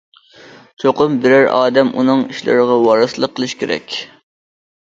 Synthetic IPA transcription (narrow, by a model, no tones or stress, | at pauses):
t͡ʃʰoqʊmbɪɾæɾɑ̰ːd̪ɛmʔṵnɨŋiʃlɪ̰ɾɪʁɑwɑɾɨsɨlˠəqʰːəlˠɨʃkʲʰeɾɛ̰kʲ